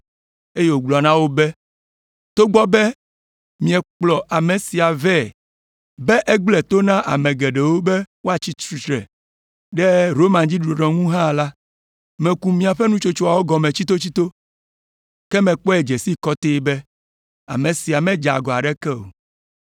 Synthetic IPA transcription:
e˦je˦˨wo˨ɡ͡blɔ˨nã˦wo˦bɛ˦ | t̪o˦ɡ͡bɔ˦bɛ˦ | mĩ˨ɛ˨k͡plɔ˨ʔa˨mẽ˨si˨a˨vɛ˦˨ | bɛ˦ʔɛ˦ɡ͡blɛ˨t̪o˦nã˦ʔa̰˨mẽ˨ɡɛ˨ɖɛ˨wo˦bɛ˦wo˦a˨t͡ɕi˦t̪ɾu˨˦t̪ɾɛ̰˨ | ɖɛ˦ɾo˦mã˨d͡ʑi˦ɖɾo˨ɖɔ̃˨ŋũ˦ɦã˦˨la˦ | mɛ̃˨ku˨mĩ˦a˨ɸɛ˦nũ˦t͡ʃo˦t͡ʃo˦a˨wo˦ɡɔ˨mẽ˨t͡ɕi˦t̪o˦t͡ɕi˦t̪o˦ | kɛ˦mɛ̃˨k͡pɔ˦ɛ˨d͡ʒe˨si˦kɔ˦t̪e˦bɛ˦ | a̰˨mẽ˨si˨a˨mɛ̃˦d͡ʒa̰˨ɡɔ˨a̰˨ɖɛ˦kɛ˦o̰˨

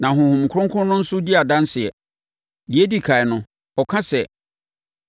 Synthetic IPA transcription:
nã˨ɦʊ̃˨hʊ̃˨m̩˨kʰʊ˦ʊ̃˦ŋkʰʊ̃˦nːʊ̃˦n̩˦sʊ˦di˦a˨dã˦n˦sɪ˨ɛ˨ | di˨˦e˦di˦kʰa˨ɛ˨nʊ̃˦ | ɔ˨kʰã˦sɛ˨

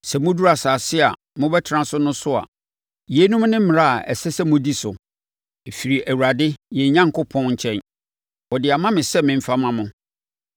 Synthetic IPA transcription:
sɛ˨mʊ̃˦du˦ɾa˨saː˨sɪ˦a˨ | mʊ̃˦bɛ˦tʰɪ˨ɾã˦sʊ˦nʊ̃˦sʊ˦a̰˨ | je˨˦nũ˦mnɪ̃˦m̩˦m̃˨a˦a˨ʔɛ̰˨sɛ˦sɛ˦mʊ̃˦di˦sʊ˨ | e˨fi˨ɾi˨ʔæ˨wu˨ɾa˨dɪ˦jɛ˨ɲã˦ŋ˨kʊ˦pʰɔ̃˦nɲ̩˦˨t͡ɕʰɛ̃˦n | wɔ˨dɪ˨a˨mã˦mɪ̃˨sɛ˦mɪ̃˨m̩˦fa˦mã˦mʊ̃˦

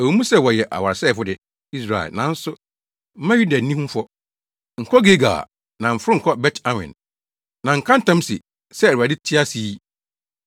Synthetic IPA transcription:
æ˨wu˨˦mũ˦sɛ˦wɔ˨jɛ˨ʔa̰˨wa˨ɾsɛː˦˨fʊ˦dɪ˨ | i˦s̬ɾa˨ɛ̰˨lnã˨˦n̩˦sʊ˦ | m̩˦mã˦ju˦da˨˦nĩ˦hũ˦fɔ˦ | ŋ̩˨kʰɔ˦ɡe˦ɡa̰ː˨ | nã˨m̩˨fɪ˦ɾʊ˦ŋ̩˨kʰɔ˦bɛ˦tʰã˦wɪ̰̃˨n | nã˨ŋ̩˨kʰã˦n̩˦tʰã˦m˦sɪ̰˨ | sɛ˦˨a˨dɪ˦tʰɪ˦a˦siː˨˦

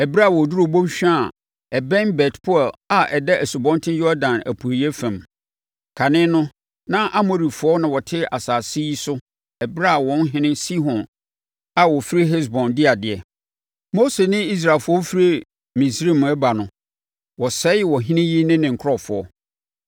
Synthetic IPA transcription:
ɛ˨bɾa˦˨wɔ˨du˦ɾo˨bõ˦mɕᶣa˨ | ɛ˨bɛ̃˦nbɛ˨tpʰʊ˦ɛ˨la˨ʔɛ˨dɛ˦ʔæ˨su˨bɔ̃˦n˦tʰɪ̃˦jɔ˦dã˨næ̰˨pʰu˨e˨i˨˦ɛ˦fæ̃˨m | kʰa˨nɪ̃˦nʊ̃˦ | nã˦ʔa˦mo˨ɾi˨fʊ˨ɔ˦nã˨wɔ˨tʰɪ˦a˨saː˨si˦sʊ˦ | ɛ˨bɾa˦a˨wɔ̃˦n˦ɦɪ̃˦nɪ̃˦si˦ɦɔ̃˨n | a˨wɔ˨fi˦ɾi˦ɦɛ˦s̬bɔ̃˨ndɪ˦a˨dɪ˨ɛ˨ | mo˦se˨nɪ̃˦i˦s̬ɾa˨lfʊ˨˦ɔ˦fi˦ɾe˦ | mĩ˨sɾi˦˨m˨ɛ˦ba˨nʊ̃˨ | wɔ˨sɛ˦jɪ˦wɔ˨ɦɪ̃˦nɪ̃˦ji˦nɪ̃˦nɪ̃˨ŋ̩˨kʰɾɔ˦˨fʊ˨ɔ̰˦

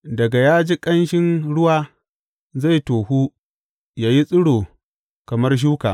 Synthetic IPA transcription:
dɐ˨ɡa˨jaː˦d͡ʒi˦kʼɐ˦nʃɪ˦nɽʊ˦waː˦ | za˦˨jtoː˨huː˦ | jaː˨ji˦sʼʊ˦ɽoː˨ | kɐ˨mɐ˦rʃ̬uː˦kaː˨

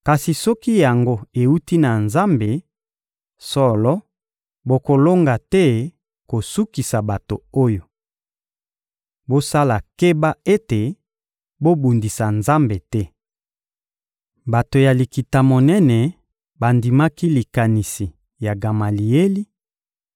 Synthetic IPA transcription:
ka˨si˨sɔ˦ki˦ja˨ŋɡo˦e˨u˦ti˦na˨nza˦mbe˨ | sɔ˦˨lɔ˦ | bo˨ko˨lo˦ŋɡa˨tɛ˦ | ko˨su˦ki˨sa˨ba˨to̰˨o˦jo˨ | bo˦sa˦la˨ke˦ba˦e˦te˨ | bo˦bu˨ndi˨sa˨nza˦mbe˨tɛ˦ | ba˨to˨ja˨li˨ki˨ta˨mo˨nɛ˦nɛ˨ | ba˨ndi˨ma˦ki˦li˨ka˨ni˨si˨ | ja˨ɡa˨ma˨li˨e˦li˦

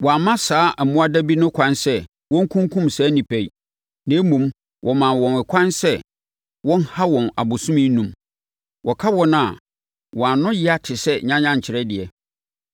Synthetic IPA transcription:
wɔ˨a˨mã˦saː˨˦ʔmʊ̃˦a˦dæ˦bi˦nʊ̃˦kʷʰã˦nsɛ˦ | wɔ̃˦ŋ̩˦kʰũ˦ŋkʰũ˦msaː˦nĩ˨pʰæ˨i˨ | nã˨˦mũ˨m | wʔɔ˨mã˨nwɔ̃˨nɛ˨kʰã˦nsɛ˦˨ | wɔ̃˦n˦ha˦wɔ̃˨na̰˨bʊ˨sʊ̃˦mĩ˦nũ˨m | wɔ˨kʰa˦wɔ̃˦na˨ | wɔ̃˨a˨nʊ̃˦jɪ˦a˦tʰɪ˨sɛ˦˨ɲã˦ɲã˦˨ɲ̩˨t͡ɕʰɪ˨ɾɛ˦dɪ˨ɛ˨

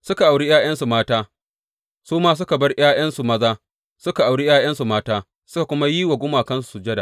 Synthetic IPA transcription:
sʊ˦ka˨ʔa˨wɽi˦jaː˦j̰ɐ˦nsu˨maː˦taː˦ | suː˦maː˦s̬ʊ˦ka˨bɐ˦rj̰aː˦j̰ɐ˦nsu˨mɐ˦zaː˦ | sʊ˦ka˨ʔa˨wɽi˦jaː˦j̰ɐ˦nsu˨maː˦taː˦ | sʊ˦ka˨kʷʊ˦ma˦ji˦wa˨ɡʷʊ˦maː˨kɐ˦ns̬u̥˨su˨d͡ʒɛ˦da˨ʔ

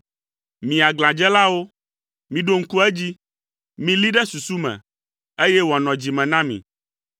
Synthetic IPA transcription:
mĩ˨a˨ɡlã˨d͡ʒɛ˦la˦wo˦ | mĩ˨ɖo˦˨ŋ̩˦ku˦ɛ˦d͡ʑi˦ | mĩ˨li˦ɖɛ˦su˨su˦mɛ̰̃˨ | e˦jɛ˦wa˨nɔ̃˨d͡ʑi˨mɛ̃˨nã˦mḭ̃˨

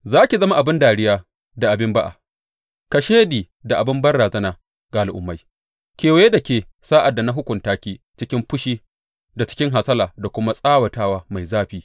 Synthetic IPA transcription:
zaː˦kʲi˨zɐ˦ma˦ʔa˨bɪ˦ndaː˨ɽɪ˦jaː˦ | da˨ʔa˨bɪ˦mba˦ʔa̰˨ | ka˨ʃeː˦diː˨ | da˨ʔa˨bɪ˦mbɐ˦rɽaː˨zɐ˦naː˨ | ɡa˨ʔa˨lʔʊ̰˨mːa˦j | kʲeː˨we˦da˨kʲeː˨ | saː˦ʔa˨dːa˨na˦ɦʊ˦kʷʊ˨ntaː˦kʲiː˦ | t͡ʃɪ˦kʲɪ˦mɸʊ˦ʃiː˦ | da˨t͡ʃɪ̥˦kʲɪ˦ŋɦa˨sɐ˦laː˨da˨kʷʊ˦ma˦sʼaː˦wɐ˨taː˦waː˦ma˨jzaː˦ɸiː˦

